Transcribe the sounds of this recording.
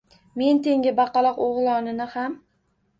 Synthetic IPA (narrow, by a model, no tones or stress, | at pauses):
me̞nt̪ʰe̞ŋʲɪbɑqɑlˠɒqoʁlˠɒnɪnɪham